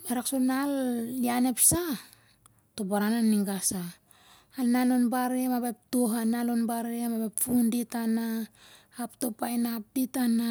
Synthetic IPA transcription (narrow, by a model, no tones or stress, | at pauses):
meɾaksonaliane̞psa | to̞baɾananːiŋɡasaː | lnalonbaɾemabajp̚toɦanalonbaɾemabajpfunditanaː | pto̞pajnap̚ditana